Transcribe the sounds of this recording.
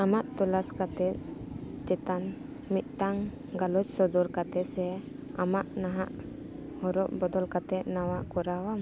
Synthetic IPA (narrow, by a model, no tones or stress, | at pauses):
amaʔt̪ɔlaskat̪ɛt̪̚t͡ʃɛt̪an | mit̪̚ˀʈaŋ | ɡalɔd͡ʒsɔd̪ɔɾkat̪ɛsɛ | amaʔnaɦaʔ | hɔɾɔʔbɔd̪ɔlkat̪ɛʔ̪̚nawaʔkɔɾawam